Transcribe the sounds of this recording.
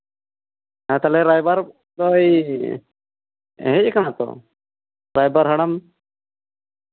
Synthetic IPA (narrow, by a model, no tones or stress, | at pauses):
ãt̪alɛɾajbaɾ | d̪ɔj | ɦɛc̚kanat̪ɔ̰ | ɾajbaɾɦəɽam